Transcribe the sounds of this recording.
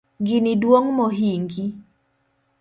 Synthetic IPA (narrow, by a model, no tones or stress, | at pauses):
ɡɪnɪdwoŋmɔɦiŋɡi